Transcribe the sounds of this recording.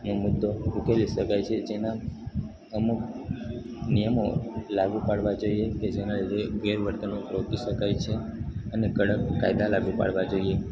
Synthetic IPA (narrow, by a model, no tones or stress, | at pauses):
nomʊd̪ːoukeliʃəkajt͡ʃʰed͡ʒena | əmuk | nijəmolaɡupaɽʋad͡ʒoieked͡ʒenaliɾeʋeɾʋəɾt̪ənopɾokiʃəkajt͡ʃʰeənekəəkajd̪alaɡupa̰ɽʋad͡ʒoie